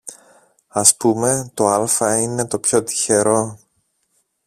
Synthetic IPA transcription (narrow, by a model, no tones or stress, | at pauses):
ɐspume̞t̪o̞ɐlfɐine̞t̪o̞pço̞t̪i̥çe̞ɾo̞